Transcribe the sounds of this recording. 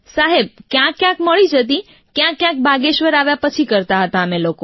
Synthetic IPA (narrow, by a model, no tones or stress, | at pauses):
saɦeb̚kjãkːjãkməɭid͡ʒət̪̬i | kjãkːjãk̚bʱaɡeʃʋəɾaʋjapət͡ʃʰikəɾt̪aɦət̪aəmeloko